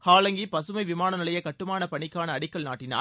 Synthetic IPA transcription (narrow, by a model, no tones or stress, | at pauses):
haːlɐŋɡipɐsɯmɐɪʋɪmaːnɐnɪlɐjɐkɐʈːɯmaːnɐpɐɳɪkːaːnɐːɽɪkːɐɭna̰ːʈːɪna̰ː